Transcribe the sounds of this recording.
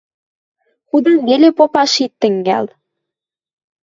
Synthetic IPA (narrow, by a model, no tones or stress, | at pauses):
xud̪ɤnβelepopɑʃit̪ːɘ̆ŋɡæ̰l